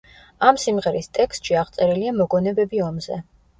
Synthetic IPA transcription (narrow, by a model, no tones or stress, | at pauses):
amsimʁɛɾist̪ʼɛkst̪ʼʃiaʁt̪sʼɛɾiliamɔɡɔnɛbɛbiɔmzɛ̰